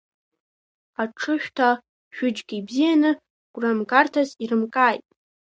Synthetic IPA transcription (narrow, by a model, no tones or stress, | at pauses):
aʈ͡ʂʰɨʃᶣtʰa | ʒ̥ᶣʊd͡ʒɡʲiibzijanɨ | ɡ̥ʷramɡartʰaziɾɨmkʼaːjtʼ